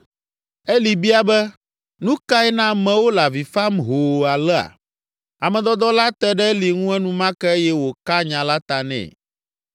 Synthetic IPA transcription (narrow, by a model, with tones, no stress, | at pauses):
ɛ˦li˨bi˦a˨bɛ˦ | nũ˦ka˦ɛ˦nã˦mɛ̃˨wo˦la˨vi˨fa˦mɦo˨a˨lɛ˦a̰˨ | a˨mɛ̃˨d̪ɔ˦d̪ɔ˦la˦t̪ɛ˦ɖɛ˦li˨ŋũ˦ɛ˦nũ˦mã˦kɛ˦e˦jɛ˦wo˨ka˦ɲã˨la˦t̪a˨nɛ̰̃˨